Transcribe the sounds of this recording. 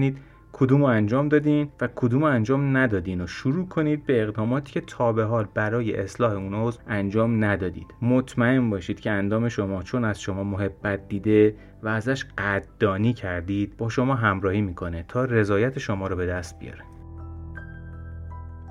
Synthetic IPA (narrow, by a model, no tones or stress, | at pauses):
niːd̪ | kʰod̪uːmoænd͡ʒɒːmd̪ɒːd̪iːnvækʰod̪uːmoænd͡ʒɒːmnæd̪ɒːd̪iːnoʃuɾuːkʰo̞niːd̪̚beːɣd̪ɒːmɒːt̪ʰiːcʰe̞t̪ʰɒːbe̞ɦɒːlbæɾɒːje̞̰ʔeslɒːhe̞unozænd͡ʒɒːmnæd̪ɒːd̪ḭːd̪̥mot̪ʰmæe̞nbɒːʃiːd̪̥cʰeænd̪ɒːme̞ʃo̞mɒːt͡ʃʰo̞næz̥ʃo̞mɒːmoɦe̞bːæt̪̚d̪̥iːd̪e̞ | væːzæʃɢæd̪̥ːɒːniːcʰæɾd̪iːd̪̥̚bɒːʃo̞mɒːɦæmɾɒːhiːmiːkʰo̞net̪ʰɒːre̞zɒːjæt̪ʰeʃomɒːɾɔbe̞d̪æst̪̚bḭjɒ̰ːɾe